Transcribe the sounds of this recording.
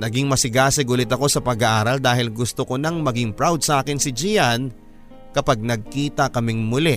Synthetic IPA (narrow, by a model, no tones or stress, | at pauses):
nɐɡɪŋmɐsɪɡaːsɪɡʊlɪt̪ɐko̞sɐpɐɡaʔaːɾɐld̪aːhɪlɡʊst̪okonɐŋmɐɡɪŋpɾawd̪̚sɐʔaːkɪnsɪd͡ʒijan | kɐpaɡ̚nɐɡ̚kiːt̪ɐkɐmɪŋmʊlɛ